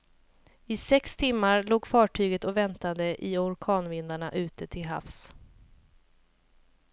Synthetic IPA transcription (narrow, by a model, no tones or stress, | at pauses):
ɪsɛkst̪ʰɪmːaɾloːɡfɑːʈʰyːɡət̪ɔvɛnt̪ad̪əʔɪɔɾkʰɑːnvɪnd̪aɳa̰ʔʉ̟ːt̪ət̪ʰɪlɦa̰fs